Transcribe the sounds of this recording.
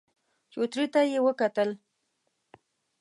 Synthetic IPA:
t͡ʃot̪ɾit̪ajewəkat̪əl

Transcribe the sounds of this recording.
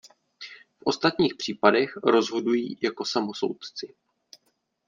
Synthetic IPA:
fʔo̞st̪at̪ɲiːxpr̝̥iːpadɛxɾo̞zɦo̞dujḭːjako̞samoso̞̰wt̪t͡sɪ

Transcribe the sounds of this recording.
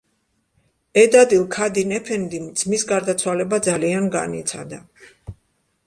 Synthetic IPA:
ɛd̪ad̪ilˠkʰad̪inɛpʰɛnd̪imd̪z̥misɡaɾd̪at̪sʰwalɛbad̪zalianɡa̰nḭt̪sʰa̰d̪a

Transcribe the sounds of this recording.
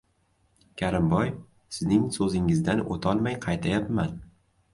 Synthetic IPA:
kʲʰaɾɪmbɒj | sɪznɪŋsɵzɪŋɪzd̪ano̰t̪ʰɒlˠmajqʰɑjt̪ʰajapman

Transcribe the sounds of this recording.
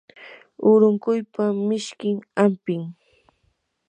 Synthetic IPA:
ʊɾʊŋkʊjpamɪʃkɪŋampɪŋ

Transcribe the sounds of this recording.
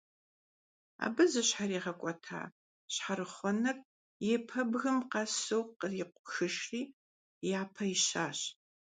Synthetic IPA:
a̰ːbɨzɐɕħariːʁɐkʷʼɔtʰa̰ː | ɕħaɾɨχʷɔnɐr | jɛpʰɐbɣɨmqɐsɨwqəriqʷʊxɨʃriː | jaːpʰɐɪɕaːɕ

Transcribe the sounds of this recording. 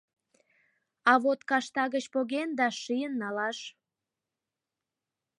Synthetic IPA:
ɑβot̪kɑʃt̪ɑɣət͡ɕpoɣend̪ɑʃijənːɑlɑʃ

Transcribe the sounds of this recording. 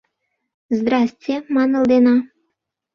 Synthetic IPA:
zd̪rɑsʲtʲjemɑnɤ̆ld̪enɑ

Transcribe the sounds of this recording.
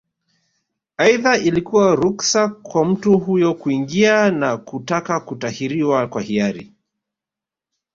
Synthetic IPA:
aiðaʔilikuwaɾuksakwam̩tuɦujɔkuiŋɡianakutakakutahiɾiwakwahiaɾḭ

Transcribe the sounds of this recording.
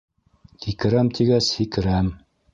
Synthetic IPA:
hikɘ̆ɾæmt̪ʰiɡæshikɘ̆ɾæm

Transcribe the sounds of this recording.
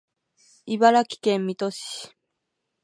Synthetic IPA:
ibaɾakʲi̥kẽ̞mːʲit̪o̞ɕi̥

